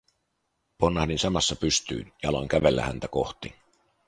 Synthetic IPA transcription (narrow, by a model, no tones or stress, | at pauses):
ponːɑhninsɑmɑsːɑpyst̪y̰ːnjɑlɑŋkæʋelːæ̰hæ̰nt̪æko̞ht̪i